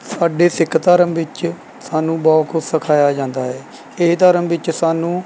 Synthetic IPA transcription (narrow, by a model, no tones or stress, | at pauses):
saːɖeːsɪkʰːt̪aːɾəmʋɪt͡ʃ | saːnũːbɔːkʰʊsəkʰaːjaːd͡ʒãːnd̪aːɦɛː | ɪɦt̪aːɾəmʋɪt͡ʃsaːnũː